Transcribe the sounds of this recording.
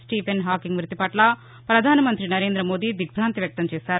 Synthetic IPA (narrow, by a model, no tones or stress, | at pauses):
sʈiːpʰenɦaːkiŋɡʋɾut̪ipɐʈlɐ | pɾɐd̪ʱaːnɐmɐnt̪ɾinɐɾeːnd̪ɾɐmoːd̪id̪iɡbʱɾaːnt̪ʋjɐk̚t̪ɐmt͡ʃeːsaːɾu